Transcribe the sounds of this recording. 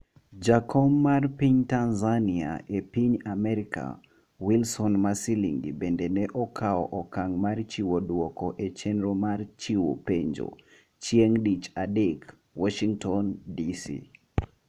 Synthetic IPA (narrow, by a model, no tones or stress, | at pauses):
d͡ʒakʰɔmːarpiɲtanzania̰ʔepiɲamɛɾika̰ | wilsɔnmasiliŋɡḭbendenɛʔɔkʰaɔʔɔkaŋmart͡ʃiwodwɔkɔʔet͡ʃenɾomart͡ʃiwo̰peɲd͡ʒo̰ | t͡ʃieŋdit͡ʃadɪk | wɔʃiŋtɔndisḭ